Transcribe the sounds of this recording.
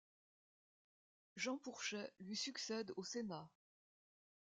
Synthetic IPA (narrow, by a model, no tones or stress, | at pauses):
ʒɑ̃puʁʃɛlɥisyksɛd̪osena